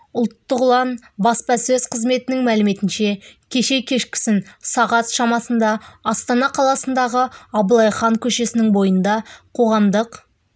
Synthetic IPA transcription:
ʊlˠt̪ːəʁʊlˠɑnbɑspɑsɵzqʰəzme̞t̪ɪnɪŋmælɪme̞t̪ɪnʃe̞kʲʰe̞ʃe̞kʲʰe̞ʃkʲɪ̥sɪnsɑʁɑt̪ʃɑmɑsənd̪ɑɑst̪ɑnɑqʰɑlˠɑsənd̪ɑʁəɑbəlˠɑjχɑŋkʲʰɵʃe̞sɪnɪŋbo̞jənd̪ɑqʰo̞ʁɑmd̪əq

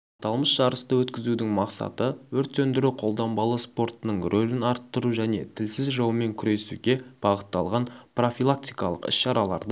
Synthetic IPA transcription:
ɑt̪ɑlˠməsʒ̥ɑɾəst̪əwɵt̪kʲɪzud̪ɪŋmɑqsɑ̰t̪əwɵɾt̪sɵnd̪ɪɾuqʰo̞lˠd̪ɑmbɑlˠəspo̞ɾt̪ənəɴrʔolɪnɑɾt̪ːəɾuʒæne̞̰t̪ʰɪlsɪzʒɑwəme̞ŋkʲʰʏɾe̞sṵɡʲe̞b̥ɑʁət̪ːɑlˠʁɑnpro̞fʲilˠak̚t̪ʲijkɑ̰lˠəqɪ̰sʃɑɾɑlˠɑ̰ɾd̪ə

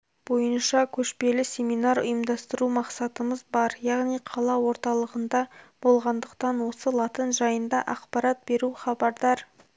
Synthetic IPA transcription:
b̥o̞jənʃɑkʲʰɵʃpe̞lɪsʲe̞mijnɑɾʊ̰jəmd̪ɑst̪əɾumɑqsɑt̪əməzbɑɾjɑʁnijqʰɑlˠɑwo̞ɾt̪ɑlˠəʁənd̪ɑb̥o̞lˠʁɑnd̪əqt̪ɑnwo̞səlˠɑt̪ənʒɑjənd̪ɑʔɑqpɑɾɑt̪̚be̞ɾuχɑbɑɾd̪ɑɾ

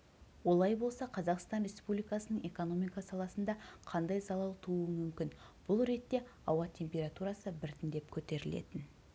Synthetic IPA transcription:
wo̞lˠɑjbo̞lˠsɑqʰɑzɑqst̪ɑnɾʲe̞spublijkɑsənəɴe̞ko̞no̞mijkɑsɑlˠɑsənd̪ɑqʰɑnd̪ɑjzɑlˠɑlˠt̪ʰuəmʏmkʲɪn | b̥ʊlˠɾe̞t̪ːe̞ɑwɑt̪ʲʰe̞mpʲe̞ɾat̪uɾɑsəbɪɾt̪ɪnd̪e̞p̚kʲʰɵt̪e̞ɾɪle̞̰t̪ɪn

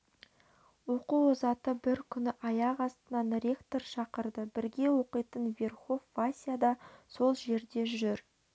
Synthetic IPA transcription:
wo̞quozɑt̪əbɪɾkʲʰʏnɪʔɑjɑqɑst̪ənɑnrʲe̞kt̪o̞ɾʃɑqəɾd̪əbɪɾɡʲe̞wo̞qəjt̪ənvʲe̞rχo̞vːasʲijad̪ɑso̞lˠʒe̞ɾd̪e̞ʒʒʏɾ

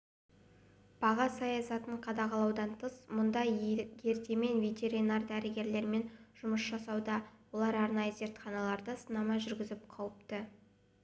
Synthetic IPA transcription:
b̥ɑʁɑsɑjɑsɑt̪əɴqʰɑd̪ɑqɑlˠɑwd̪ɑnt̪ʰəsmʊnd̪ɑje̞ɾt̪e̞me̞nvʲe̞t̪e̞ɾijnɑrd̪æɾɪɡʲe̞ɾle̞ɾme̞nʒ̥ʊməsʒɑsɑwd̪ɑwo̞lˠɑɾɑɾnɑjəze̞ɾt̪χɑnɑlˠɑɾd̪əsənɑmɑʒʏɾɡʲɪzɪpqʰɑwəp̚t̪ə

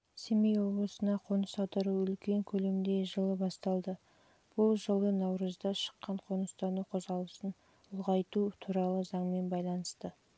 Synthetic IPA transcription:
semijwo̞blˠəsənɑqʰo̞nəsɑt̪əɾuʏlkʲe̞ŋkʲʰɵle̞md̪e̞ʒəlˠəbɑst̪ɑlˠd̪ə | b̥ʊlˠʒəlˠənɑwɾəzd̪ɑʃə̥qːɑɴqʰonəst̪ɑnəqʰo̞zʁɑlˠəsən | ʊlˠʁɑjt̪ut̪ʰuɾɑlˠəzɑɴme̞nbɑjlˠɑnəst̪ə

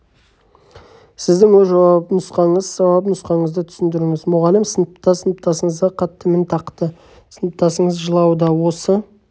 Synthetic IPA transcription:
sɪzd̪ɪŋwɵʒɑwɑpənʊsqɑɴəzːɑwɑpnʊsqɑɴəzd̪ət̪ʰʏ̥sɪnd̪ɪɾɪŋɪzmʊʁɑlɪmsənəpt̪ɑsənəp̚t̪ʰɑsəɴəzd̪əqʰɑt̪ːəment̪ʰɑqt̪ə | sənəp̚t̪ɑsəɴəzʒəlˠɑwd̪ɑwo̞sə

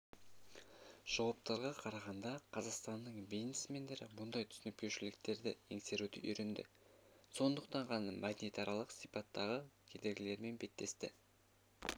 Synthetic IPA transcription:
ʒ̥ɑwɑp̚t̪ɑɾʁɑqʰɑɾɑʁɑnd̪ɑqʰɑzɑqst̪ɑnːəɴbiznesme̞nd̪e̞ɾɪ̰mʊnd̪ɑjt̪ʰʏ̥sɪnɪp̚kʲʰe̞wʃɪlɪk̚t̪e̞ɾd̪ɪeŋse̞ɾud̪ɪ̰ʔʏjɾend̪ɪ̰ | so̞nd̪əq̚t̪ɑɴʁʰɑnɑmʔɑd̪nit̪ɑɾɑlˠəqsipɑt̪ːɑʁəkʲʰe̞d̪eɡʲɪle̞ɾme̞nbe̞t̪ːe̞st̪ɪ

